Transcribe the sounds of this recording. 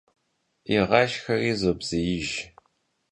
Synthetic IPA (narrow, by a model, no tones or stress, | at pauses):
iʁɐʃxɐriːzobz̥ɨjɪʒ